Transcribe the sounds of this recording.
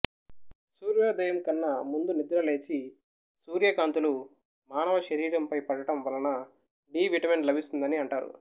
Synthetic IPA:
suːɾjɐːd̪ɐjɐmkɐnːɐmund̪unid̪ɾɐle̞ːt͡ʃi | suːɾjɐkaːnt̪ulu | maːnɐʋɐʃɐɾiːɾɐmpɐjpɐɽɐʈɐmʋɐlɐnɐ | ɖiːʋiʈɐme̞ɳɖlɐbʱist̪und̪ɐniɐɳʈaːɾṵ

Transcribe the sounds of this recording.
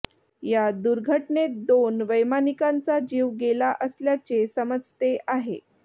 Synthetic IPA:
jad̪uɾɡʱəʈned̪onʋəjmanikãnt͡sad͡ʑiːʋɡelaʔəsljat͡sesəməd͡zt̪eʔaɦḛ

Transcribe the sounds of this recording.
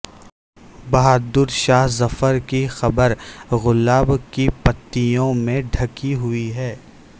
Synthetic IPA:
bɐɦaːd̪ʊɾʃaːɦzɐfəɾkixɐbəɾɣʊlaːbkipɐt̪ːijõmẽɖʱɐkiɦʊiɦɛː

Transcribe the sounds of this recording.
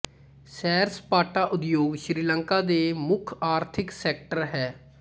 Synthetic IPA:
sɛːɾspaːʈaːʔʊd̪joːɡʃɾiːlə̃ŋkaːd̪eːmʊkʰaːɾt̪ʰɪksɛːk̚ʈəɾɦɛː

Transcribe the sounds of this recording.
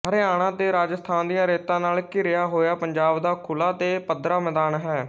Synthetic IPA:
ɦəɾeːaːɽ̃ãːt̪eːɾaːd͡ʒəst̪ʰaːnd̪ijãːɾeːt̪ãːnaːlkɪɾɪjaːɦoːjaːpəɲd͡ʒaːbd̪aːkʰʊlaːt̪eːpəd̪ɾaːmɛːd̪aːnɦɛː

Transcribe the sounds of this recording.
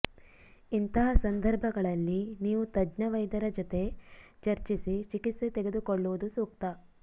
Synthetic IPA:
int̪ɐɦɐsɐnd̪ɐɾbʱɐɡɐɭɐlːiniːʋut̪ɐd͡ʒnɐʋɐjd̪ɐɾɐd͡ʒɔt̪e̞t͡ʃɐɾt͡ʃisit͡ʃikit̪set̪eɡe̞d̪ukoɭːuʋud̪usuːk̚t̪ɐ

